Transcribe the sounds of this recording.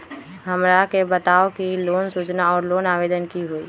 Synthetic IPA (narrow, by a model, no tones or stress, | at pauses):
ɦɐmɾakebɐt̪aːokiloːnsuːt͡ʃnaɔːɾloːnaːʋeːd̪ənkiɦoːi